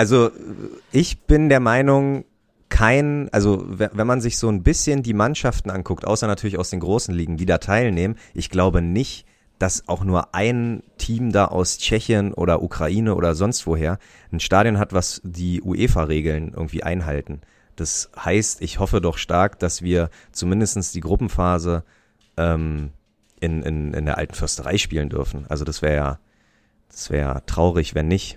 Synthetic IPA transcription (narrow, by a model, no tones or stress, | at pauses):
ʔalzo | ʔɪçb̥ɪndeːɐmaɪnʊŋ | kʰaɪnʔa̰lzo̰vvɛnmanzɪçz̥oːnbɪsçəndiːmanʃaftn̩ʔankʰʊk̚tʔa̰ʊsɐnatʰyɐlɪçaʊsd̥eːnɡʁoːsn̩liːɡŋ̩diːdaːtʰaɪlneːmənʔɪçɡ̥laʊbənɪçt | d̥asaʊxnuːɐʔaɪntʰiːmdaːʔa̰ʊst͡ʃɛçjənʔo̰ːɾɐʔukʁ̥aʔiːnəʔo̰ːdɐzɔnstv̥oːɦeːɐ | n̩ʃtaːdjɔnɦatv̥asd̥iːʔṵʔeːfaʁeːɡl̩nʔɪ̰ɐɡŋ̩tv̥iːʔa̰ɪnɦaltn̩ | d̥ashaɪstɪçhɔfədɔχʃtaɐkd̥asv̥iːɐ | t͡sumɪndəstn̩sd̥iːɡʁʊpm̩faːzə | ʔɛːm | ʔɪnɪ̰nɪ̰ndeːɐʔa̰ltn̩fʏɐstəʁa̰ɪʃpiːləndʏɐfn̩ʔa̰lzodasv̥ɛːɐja̰ː | d̥ḁsv̥ɛ̰ːɐja̰ːtʁ̥aʊʁ̞ɪçv̥ɛnːɪç